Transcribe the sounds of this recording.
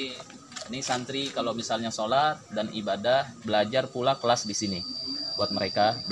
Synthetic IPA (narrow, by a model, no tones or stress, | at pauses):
nɪsant̪ɾikalawmisalɲasolat̪̚danibadahbəlad͡ʒarpulakəlasdisinibuat̪̚məɾekab